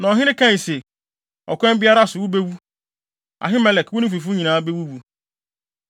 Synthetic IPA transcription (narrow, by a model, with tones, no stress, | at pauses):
nã˨ɔ˨ɦɪ̃˦ɾɪ̃˦kʰã˦˨i˨se˨ | ɔ̰˨kʰʷɛ̃˦m˦bɪ˦a˦ɾa˦˨sʊ˨wʊ˦be˦wu˦ | a̰˨ɦɪ˦mɛ˨lɛ˨kwʊ˦nʊ̃˦fi˨fu˦ɲĩ˨nãː˨˦be˦wu˦wu˨˦